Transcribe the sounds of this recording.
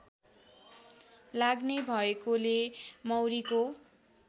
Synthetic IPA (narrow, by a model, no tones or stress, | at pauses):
laɡnebʱʌekolemʌwɾiko